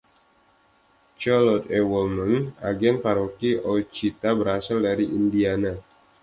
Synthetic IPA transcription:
t͡ʃalɔt̪ɛwɔlmanaɡɛnpaɾokiɔt͡ʃit̪abəɾasaldaɾiʔindiana

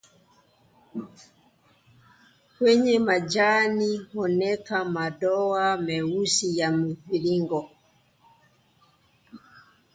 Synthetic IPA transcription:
kwɛɲɛmad͡ʒanihɔnɛkamaɗɔamɛusijamuviɾiŋɡɔ

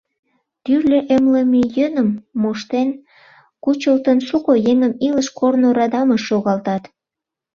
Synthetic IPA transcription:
t̪yrlʲeʔemlemejənəmːoʃt̪en | kut͡ɕəlt̪ənʃukojeŋəmiləʃkʰornoɾɑd̪ɑməʃːoɣɑlt̪ɑt̪

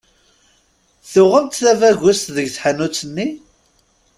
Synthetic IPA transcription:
θʊʁəmt̪θævæʝʊst̪ðəʝθħanut͡sːənːi

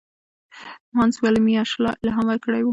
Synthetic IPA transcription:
mɑnswalmiɑʃlɑ̰laɦamaɾkəɽajwu

